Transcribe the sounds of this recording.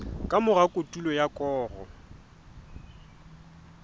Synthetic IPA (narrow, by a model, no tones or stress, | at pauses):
kʼamʊɣakʼotʼulɔjakʼɔːrɔ̰